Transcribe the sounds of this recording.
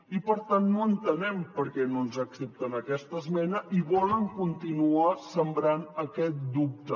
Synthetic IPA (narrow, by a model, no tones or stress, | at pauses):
ipəɾt̪anːoənt̪ənɛmpəɾkɛnonzəksɛp̚t̪ənəkɛst̪əzmɛnəʔiβɔləŋkunt̪inuasəmbɾanəkɛt̪̚d̪up̚t̪ə